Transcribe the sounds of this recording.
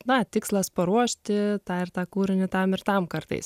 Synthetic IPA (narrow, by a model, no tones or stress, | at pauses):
nɐt̪ʲɪkslˠɐspɐɾuɔʃʲt̪ʲɪt̪ɑːɪrt̪ɑːkuːɾʲɪnʲɪt̪ɐmɪɾt̪ɐmkɐɾt̪ɐ̰ɪs